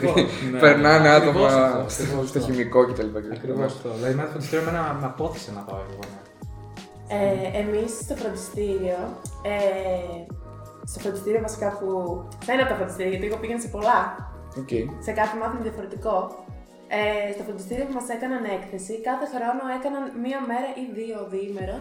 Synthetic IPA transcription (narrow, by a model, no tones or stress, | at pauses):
t̪npeɾnɐneat̪omɐsst̪oçimiko̞cet̪ɐlipɐkkɾivoslɐðiment̪ofɾod̪ist̪iɾiomenɐnɐpo̞θesenɐpa̰oeeɣone | eemisːt̪ofɾod̪ist̪iɾio̞e | st̪ofɾod̪ist̪iɾiovɐsi̥kɐpuθɐinɐt̪ːofɾod̪ist̪iɾioʝɐt̪ileɣopiʝenɐsepo̞lɐ | oceisekɐθemɐθoneðiɐfo̞ɾe̞t̪iko̞ | est̪ofɾond̪ist̪iɾio̞pumɐse̞kɐnɐne̞kθesikɐθe̞xɾo̞no̞e̞kɐnɐnmiɐme̞ɾɐʔiðio̞ðime̞ɾo